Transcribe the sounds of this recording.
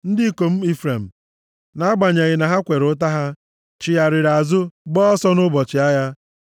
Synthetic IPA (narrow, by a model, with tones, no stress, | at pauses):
n̩˦dɪ˦ko˨m̩˦i˦fɾe˨m̩˨ | na˨˦a˦ɡ͡ba˨ɲa˨ɣɪ˨na˨ɦa˦kʷe˨ɾʊ˦t̬a˦ɦa˦ | t͡ʃɪ˨ja˨ɾɪ˨ɾa˨zʊ˦ɡ͡bɔ˦ɔ˦sɔ˦nʊ˦bɔ˨t͡ʃɪ˨a˦ja˦